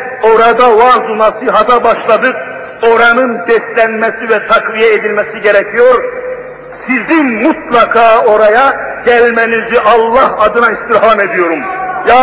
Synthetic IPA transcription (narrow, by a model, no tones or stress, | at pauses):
oɾad̪awazunasɯɦɑt̪ʰabɑʃlˠɑd̪ɯq̚ | o̞ɾanɯnd̪ɛslʲænmɛsivɛt̪ʰɑkvijɛed̪ilʲmɛsiɟeɾɛcʰijo̞ɾ | sizimmut̪lˠɑkʰaːo̞ɾajaɟælʲmɛnizyʔɑlˠːɑhɑd̪ɯnaist̪iɾɦame̞d̪ijo̞ɾumja